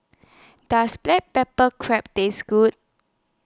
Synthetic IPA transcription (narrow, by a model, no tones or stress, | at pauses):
d̥asblɛt̚pɛpəkʰɹɛp̚dẽsɡ̥ut̚